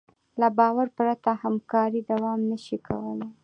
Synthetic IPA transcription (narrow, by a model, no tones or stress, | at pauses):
labɑwaɾpɾat̪ahamkɑɾid̪awɑmnəʃikʰa̰wəla